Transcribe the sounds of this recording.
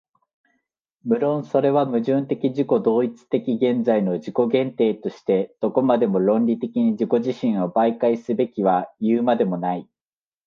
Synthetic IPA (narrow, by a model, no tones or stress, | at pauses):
mɯ̟ɾõ̞so̞ɾe̞βamɯ̟ʑɨ̃nt̪e̞kʲiʑiko̞d̪o̞ːit͡sɨ̥t̪e̞kʲiɡẽ̞nd͡zaino̞d͡ʑiko̞ɡẽ̞nt̪e̞ːt̪o̞ɕi̥t̪e̞d̪̥o̞ko̞mad̪e̞mo̞ɾõ̞nɾʲit̪e̞kʲiɲ̟id͡ʑiko̞ʑiɕĩɰ̃o̞baikaisɨbe̞kʲiβ̞ajɯːmad̪e̞mo̞nai